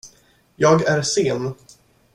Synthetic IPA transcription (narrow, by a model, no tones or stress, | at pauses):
jɑːɡæɾseːn